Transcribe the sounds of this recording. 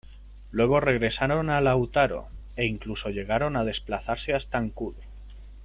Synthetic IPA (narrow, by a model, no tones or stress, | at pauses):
lwe̞ɣ̞o̞re̞ɣ̞ɾe̞saɾo̞nalawt̪aɾo̞̰ | e̞iŋkluso̞ʎe̞ɣaɾo̞nað̞e̞splaθaɾse̞ast̪aŋkuðe